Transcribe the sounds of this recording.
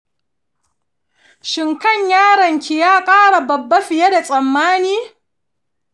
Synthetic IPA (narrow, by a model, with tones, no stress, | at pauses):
ʃɪ˨ŋkɐ˦˨ɲjaː˦ɽɐ˨ŋkʲi˨jaː˦kʼaː˦ɽa˨bɐ˨bːa˦ɸɪ˨ja˦da˨sʼɐ˨mːaː˦niː˦